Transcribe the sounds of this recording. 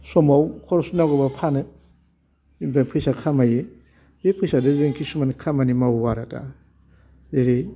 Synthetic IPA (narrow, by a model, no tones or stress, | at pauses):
sɔmawkʰɔɾɔsnaɡɯbapʰanɯ | impʰapʰɯjsakʰamaje | zepʰɯjsadɯzeŋkʰisumanikʰamanimawuwaɾatʰa̰ | eɾe